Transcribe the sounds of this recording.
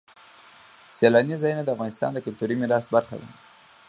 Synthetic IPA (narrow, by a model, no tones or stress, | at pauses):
selɑnizɑjunad̪əafɣɑnɪst̪ɑ̰nd̪əkʊlt̪uɾimɪɾɑst̪̚baɾxa̰d̪a̰